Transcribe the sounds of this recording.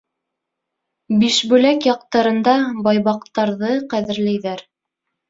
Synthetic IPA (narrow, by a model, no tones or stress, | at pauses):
biʃbɵ̆lækjɑq̚t̪ɑɾɤ̆nd̪ɑbɑjβɑqt̪ɑɾðɤqæðɘ̆ɾlæjðæɾ